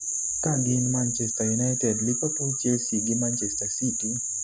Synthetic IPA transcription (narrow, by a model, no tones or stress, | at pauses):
t̪aɡinmant͡ʃest̪ajunajt̪eɾlupaput͡ʃesiɡimant͡ʃest̪asiti